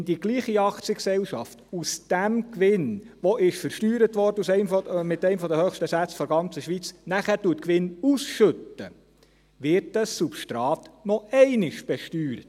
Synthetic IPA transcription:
ndiɡ̥liːχiɑkt͡siəksɛlʃɑ̰ftusd̥æmkʋɪnʋɔʔɪʃfəɾʃtyːɾətʋɔɾdəusɛɪmfɔmɪt̪ɛɪmfɔd̪əhøːχʃtəsæt͡sfɔɾɡɑnt͡səʃʋit͡snæχæɾtuətkʋɪnusʃɵtːə | ʋɪɾtəsːupʃtɾɑːtnɔɛɪnɪʃb̥ɛʃtyːɾət

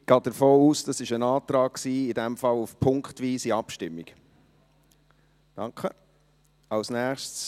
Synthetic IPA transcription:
ɡ̥ɑːd̥əɾfoːuːsd̥ɑsɪʃənɑːtɾɑːk̚ksiːɪdɛmfɑlufpʰʊŋkχtʋiːsiɑpʃtɪmːik | d̥ɑŋkχə | ɑlsnæːχʃts

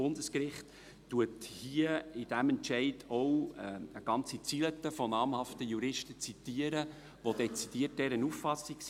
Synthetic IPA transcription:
ʊndəskɾɪχtː | uəthiəid̥æmɛntʃɛɪdɔwəɡ̥ɑnt͡sit͡silət̪əfɔnɑːmhɑftəjuɾɪʃtət͡sit̪iəɾə | ʋodɛt͡sid̥iət̚dɛɾənuffɑsiks

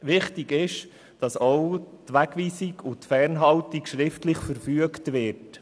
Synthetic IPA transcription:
ʋɪχtiɡɪʃ | d̥ɑsɔwtʋæɡʋiːsiɡʊtfɛɾnɦɑltikʃɾɪftlɪχfəɾfyəktʋɪt

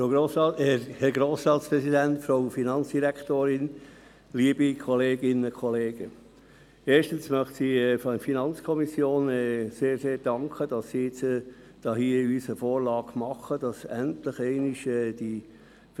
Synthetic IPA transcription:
fooːɑhɛɾɡɾoːsɾɑːtspɾɛsidæntfɾoʊfinɑnt͡sd̥iɾɛkʰtoːɾɪn | liəbikʰɔleːɡɪnəkʰɔleːɡ̥ə | eːʃtənsmœχtsiːɛffinɑnt͡skʰɔmisjoːnɛseːɾseːɾd̥ɑŋkʰəd̥ɑsːiɪt͡s | d̥ɑːɦhiːyːsəfoːɾlɑːɡmɑχəd̥ɑsæntləχɛɪnɪʃɛːd̥i

